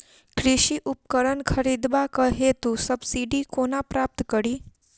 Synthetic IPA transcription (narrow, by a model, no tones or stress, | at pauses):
kɾiɕiʔup̚kəɾənkʰəɾid̪bakəɦet̪usəbsiɖikonapɾap̚t̪kəɽiː